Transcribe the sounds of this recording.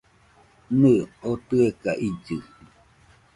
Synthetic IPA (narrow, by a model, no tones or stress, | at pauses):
nɨot̪ɨekaʔid͡ʒɨ